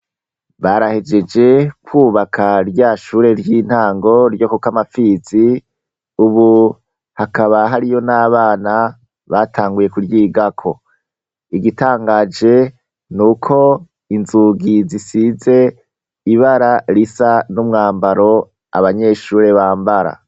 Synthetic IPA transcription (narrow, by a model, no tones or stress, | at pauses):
βaɾahe̞d͡ʒe̞d͡ʒe̞kwuːβakʰaɾjaːʃuːɾe̞ɾjiːn̥haːŋɡo̞ɾjo̞kokamafiz̥i | uβu | hakaβaɦaɾijo̞naːβaːna | βatʰaːŋɡuje̞kuɾjiːɡakʰo̞̰ | iɡitaːŋɡaːd͡ʒe̞ | nukʰo̞ | inzuːɡizisize̞ | iβaɾaɾisanumŋaːmbaɾo̞ | a̰βaɲe̞ʃuːɾe̞βaːmbaɾa̰